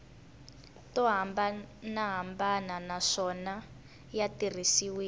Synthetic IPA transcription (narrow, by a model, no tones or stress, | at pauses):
tɔɦambanaɦambananaʂɔna | jatir̤isiwiː